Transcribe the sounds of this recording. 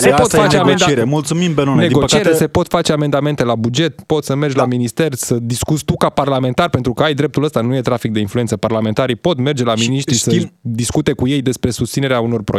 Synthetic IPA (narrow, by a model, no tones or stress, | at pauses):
sepot̪fat͡ʃeaɡent͡ʃ̪eɾemult̪sumimbenoneiɡoət͡ʃieɾese̞po̞t̪fat͡ʃe̞ame̞nd̪ame̞nt̪e̞labud͡ʒe̞t̪po̞t̪səme̞rd͡ʒʲlaminist̪e̞rsəd̪iskut̪sʲt̪ukaparlament̪arpe̞nt̪ɾukəajd̪ɾe̞p̚t̪uləst̪anuje̞t̪ɾafik̚d̪einfluet̪səparlame̞nt̪aɾijpo̞t̪me̞rd͡ʒe̞laminiʃt̪ɾisəd̪iskut̪e̞kuje̞jd̪e̞spɾe̞sust̪sine̞ɾeauno̞rpɾo